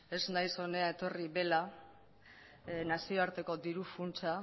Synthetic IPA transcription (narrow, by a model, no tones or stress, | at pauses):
e̞znajso̞ne̞aet̪o̞riβe̞la | nasio̞aɾt̪e̞ko̞d̪iɾufunt͡ʃa